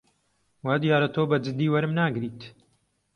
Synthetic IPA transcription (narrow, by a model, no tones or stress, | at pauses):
waːd̪ijaːɾɐt̪ʰoːbɐd͡ʒɨd̪ːiːwɐɾɨmnaːɡɾiːt̪